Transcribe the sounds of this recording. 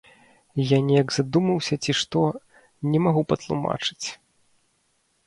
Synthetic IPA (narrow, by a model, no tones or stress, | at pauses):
janʲɛjaɡz̥ad̪umɐwsʲɐt͡sʲiʂt̪ɔ | nʲɛmaɣupɐt̪lˠṵma̰t͡ʂɨ̥t͡sʲ